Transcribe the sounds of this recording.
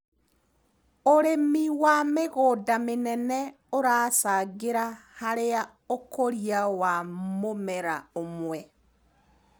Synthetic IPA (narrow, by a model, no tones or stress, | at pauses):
oɾemiwameɣoːdamenɛnɛ | oɾaːsaɣeɾahaɾea | okoɾiawamomɛɾaomwɛ